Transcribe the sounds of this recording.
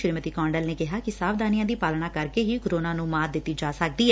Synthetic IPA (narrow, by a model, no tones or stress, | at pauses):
ʃɾmət̪iːkɔ̃ːɳɖəlneːkɪɦaːkɪsaːʋd̪aːnɪjãːd̪iːpaːlɳaːkəɾkeːɦiːkoɾoːnaːnũːmaːd̪ɪt̪ːiːd͡ʒaːsək̚d̪iːɛ